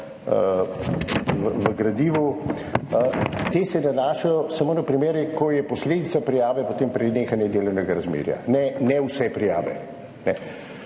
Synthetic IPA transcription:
ə | ʋʋəɡɾad̪iːʋu | t̪eːsɛnanaːʃajɔsamoːnɐpɾimeːɾjɛkɔjɛpɔsleːd̪it̪sapɾijaːʋɛpot̪eːmpɾɛneːxanjɛd̪eːlɔwnɛɡaɾazmḛːɾja̰nɛnɛwsɛpɾija̰ːʋɛ̰ | nɛ

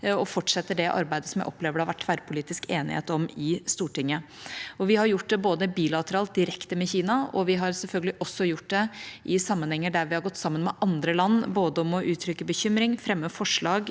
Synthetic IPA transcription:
ɔfɔʈʂɛt̪ːəɖɛʔɑ̰ɾbæɪd̪əsɔmjæɪʔɔ̰pːleːʋəɖəhɑʋæʈːfæɾpʰʊliːt̪ɪskeːnɪ̰hḛːt̪ɔmɪst̪uːʈɪŋːə | ɔʋɪhɑɾjʊʈːd̪ɛboːd̪əbiːlɑt̪əɾɑːlt̪̚d̪ɪɾɛkt̪əmɛçiːnɑɔ̰ʋɪɦɑɾsɛlfœlɡəlɪʔɔsːɔjʊʈ̚ːd̪ɛʔɪsɑmːənhɛŋːəɖæɾʋɪhɑɾɡɔt̪ːsɑmːənmɛʔɑnd̪ɾəlɑnːboːd̪əɔmɔʔʉːt̪ʰɾʏkːəbəçʏmɾɪŋfɾɛmːəfɔʂɭɑːɡ

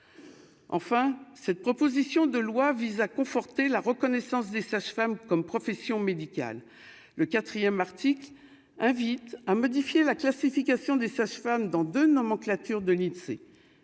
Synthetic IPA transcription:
ɑ̰̃fɛ̃sɛt̪̚pχɔpozisjɔ̃d̪əlwavizakɔ̃fɔʁt̪elaʁəkɔnɛsɑ̃sd̪esaʃfamkɔmpχɔfɛsjɔ̃med̪ikʲa̰lː | əkat̪χijɛmaʁt̪ikl | ɛ̃vit̪amɔd̪ifjelaklasifikʲasjɔ̃d̪esaʃfamd̪ɑ̃d̪ønɔmɑ̃klat̪yʁd̪əlisḛ

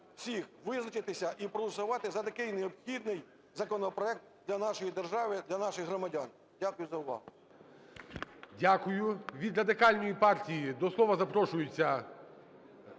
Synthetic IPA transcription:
w̥sʲixʋɪznɐt͡ʃɪt̪ɪsʲɐʔipɾɔlʊsʊʋɑt̪ɪzɐt̪ɐkɪjneɔpxʲid̪nɪj | zɐkɔnɔpɾɔɛk̚t̪̚d̪ʲlʲɐnɑʃɔjid̪erʒɑʋɪd̪lʲɐnɑʃɪxɦɾɔmɐdʲɑn | dʲakʊjʊzɐʊʋɑ̰ɦʊ | dʲakʊjʊʋʲid̪ɾɐd̪ɪkɑlʲnɔjipɑrtʲijid̪ɔslˠɔʋɐzɐpɾɔʃʊjʊt͡sʲːɐ

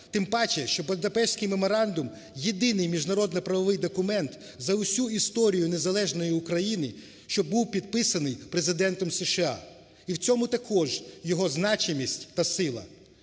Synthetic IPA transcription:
t̪ɪmbɑt͡ʃɛʃt͡ʃɔbɐld̪ɐpɛʃsʲkɪjmemɔɾɑnd̪ʊm | jed̪ɪnɪjmʲiʒnɐɾɔd̪nɐpɾɐʋɔʋɪjd̪ɔkʊmɛnt̪ | zɐʊsʲuist̪ɔɾʲijʊnezɐlˠɛʒnɔjiʊkɾɐjinɪ | ʃt͡ʃɔbuwpʲid̪̚pɪsɐnɪjpɾe̞zɪd̪ɛnt̪ɔmseʃɪɑ̰ | iwt͡sʲɔmʊt̪ɐkʰɔʒjɔɦɔznɑt͡ʃɪmʲisʲtʲt̪ɐsɪlˠɐ̰

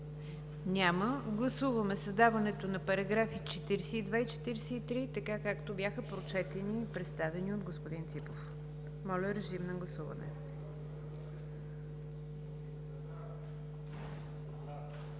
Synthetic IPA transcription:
nʲaməɡlˠɐsuvəmɛsəzd̪avɐnɛt̪onɐpɐɾɐɡɾafit͡ʃɛt̪iɾɛsɛid̪vait͡ʃɛ̥t̪iɾsɛit̪ɾit̪ɐkakakt̪obʲjaxəpɾot͡ʃɛt̪ɛniːpɾɛt̪st̪avɛniod̪ɡospod̪int̪sipof | mɔlʲəɾɛʒimnɐɡlˠɐsuvɐ̰nɛ̰

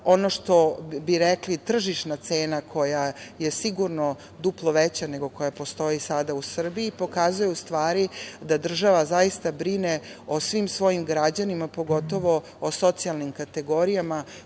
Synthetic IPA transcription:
o̞noʃt̪o̞biɾeklit̪r̩ʒiʃnat̪seːnakʰo̞jajesiɡuɾno | d̪uplˠo̞ʋet͡ɕane̞ɡo̞ko̞japo̞st̪o̞isad̪ausr̩biːpo̞kazujɛust̪ʋaːɾid̪ad̪r̩ʒaʋazajist̪abɾineosʋimsʋo̞jimɡɾad͡ʑanimapo̞ɡo̞t̪o̞ʋo̞ː | so̞t̪sijalˠnimkat̪e̞ɡo̞ɾijama

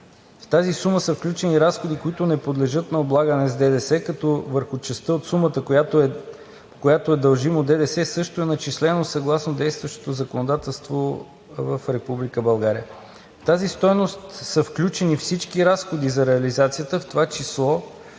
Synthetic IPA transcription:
ft̪azisuməsəfklʲut͡ʃɛniɾasxod̪ikoit̪ʊnɛpod̪lɛʒɤt̪nɐoblˠaɡənɛzd̪ɛd̪ɛsɛkɐt̪ɔvəɾxʊt͡ʃɛst̪əot̪sumət̪əa | kojat̪oɛd̪ɐlˠʒimod̪ɛd̪ɛsɛsɤʃt̪oɛnɐt͡ʃislɛnosɐɡlˠasnod̪ɛjst̪vəʃt̪o̥t̪ozəkonod̪at̪ɛlˠst̪vo | vəfɾɛpublikəbɐlˠɡaɾiə | ft̪azist̪ɔjnost̪səfklʲut͡ʃɛnifsit͡ʃkiɾasxod̪izɐɾɛɐlizat̪sijət̪əft̪ovat͡ʃislˠɔ

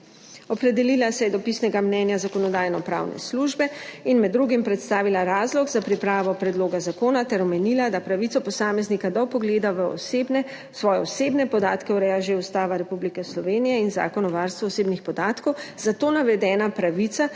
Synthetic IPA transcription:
ɔpɾɛd̪ɛlilasɛjɛd̪ɔpisnɛɡamnɛːnjazakɔnɔd̪aːjnɔpɾa̰ːwnɛ̰sluʒbɛinmɛd̪ːɾuɡimpɾɛt̪st̪aːʋilaɾaːzlɔɡzapɾipɾaːʋɔpɾɛd̪loːɡazakoːnat̪ɛɾɔmɛniːlad̪apɾaʋitsɔpɔsaːmɛznikad̪ɔpɔɡleːd̪aʋəɔ̰senɛ | sʋɔːjɛɔseːbnɛpɔd̪aːt̪kɛuɾɛjaʒeust̪aːʋaɾɛpublikɛslɔʋeːnijɛinza̰ːkɔnɔʋaɾst̪ʋuɔseːbnixpɔd̪aːt̪kɔwzat̪oːnaʋɛd̪ɛːnapɾaʋit̪sa

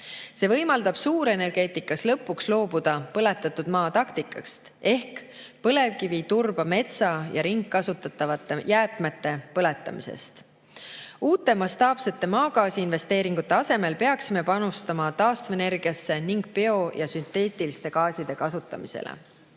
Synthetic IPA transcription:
se̞ːvɤ̞jmɑld̪̥ɑb̥suːɾe̞ne̞rɡ̥e̞ːt̪ːˑikːˑɑslɤpːˑukslo̞ːbud̪̥ɑpɤle̞t̪ːˑɑt̪ːˑud̪̥mɑːt̪ɑkt̪ikːˑɑkst̪e̞hk | pɤ̞le̞vkivit̪urb̥ɑme̞t̪sɑjɑɾiŋkːɑsut̪ːˑɑt̪ːˑɑvɑt̪ːˑejæːt̪ˑmet̪ːe̞pɤle̞t̪ːˑɑ̰misḛst̪ | uːt̪ːˑe̞mɑst̪ɑːpse̞t̪ːe̞mɑːɡɑːsiinve̞st̪e̞ːɾiŋɡ̥ut̪ːˑeɑse̞me̞lpe̞ɑksime̞pɑnust̪ɑmɑt̪ɑːst̪vene̞rɡ̥iɑsːe̞niŋɡ̥̚pe̞o̞jɑsynt̪e̞ːt̪ːˑilist̪e̞kɑːsid̪̥e̞kɑsut̪ːˑɑ̰misḛlḛ

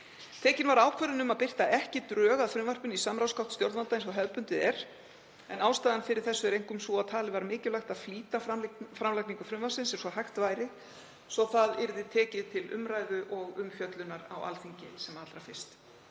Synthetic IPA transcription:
t̪ʰɛːcɪnvaɾaːwkʰvœɾɪnʏmaðpɪr̥t̪aʔɛhcɪt̪ɾœːɣaðfɾʏmvar̥pʏnisamɾawskawt̪st̪jowɾðvalt̪ajnsawɦɛðpʏnt̪ɪðɛɾ̥ | ɛnaːwst̪aːðanfɪɾɪɾ̥θɛsːʏɾejŋkʏmsvuat̪ʰaːlɪvaɾmɪːcɪlajxt̪aðfliːt̪afɾamlajkniŋkʏfɾʏmvasɪnsɛɾsɔhajxt̪vajɾɪ | sɔθaðɪɾðɪt̪ʰɛːcɪðt̪ʰɪlʏ̰mɾajðʏʔɔɣʏmfjœt̪lʏnaɾa̰wa̰lθiɲcɪsɛmat̪ɾafɪr̥st̪

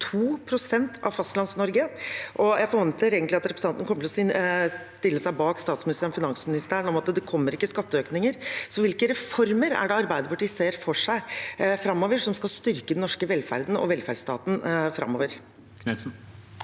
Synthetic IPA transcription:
t̪ʰuːpʰɾʊsɛnt̪ʰɑ̰ʋfɑst̪lɑnsnɔɾɡəʔɔjæɪfɔɾʋɛnt̪əɾeːɡənlɪɑt̪ɾɛpɾsɑnnəkʰɔmːət̪ʰɪlɔ | t̪ɪlːəsæɪbɑːkst̪ɑːt̪smɪnɪst̪əɾnfɪnɑŋsmɪnɪst̪æːɾəɳɔmɑt̪d̪ɛkʰɔmːəɾɪkːəskɑt̪ːəøːknɪŋəɾsɔʋɪlkəɾɛfɔɾməɾæ̰ɖɛɑɾbæɪd̪əpɑʈiːseːɾfɔʂæɪfɾɑmːoːʋəʂɔmskɑlst̪ʏɾkəd̪nːɔʂkəʋɛlfæ̰ɾd̪n̩ɔ̰ʋɛlfæɖst̪ɑ̰ːt̪n̩fɾɑ̰mːoːʋəɾ | kn̩

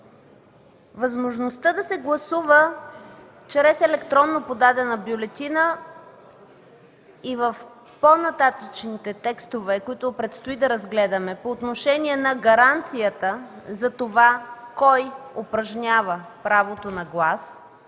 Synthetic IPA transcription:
vɐzmoʒnost̪əd̪ɐsɛɡlˠɐsuvə | t͡ʃɾɛsɛlɛkt̪ɾɔnːopod̪ad̪ɛnəbjolɛt̪inə | ivəf | ponɐt̪at̪ət͡ʃnit̪ɛt̪ɛkst̪ovɛkoit̪opɾɛt̪st̪oʊid̪ɐɾɐzɡlɛd̪əmɛpoːt̪noʃɛniɛnɐɡɐɾant̪sijət̪əzɐt̪ovakɔjopɾɐʒnʲavəpɾavot̪onɐɡlˠas

